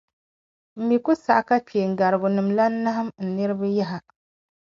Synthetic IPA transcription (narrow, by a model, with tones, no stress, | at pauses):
m̩˨bi˨ku˦sa˨ʔka˦peː˨ŋ̩˨ɡa˨ɾɨ˨bʊ˨nɨ˨mla˦na˦ɦa˦mn̩˨nɨ˦ɾɨ˦ba˦ja˦ɦa˨